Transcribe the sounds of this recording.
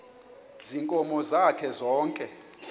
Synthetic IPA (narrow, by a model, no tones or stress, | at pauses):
ziŋkʼɔmɔzakʰɛzɔːŋkʼɛ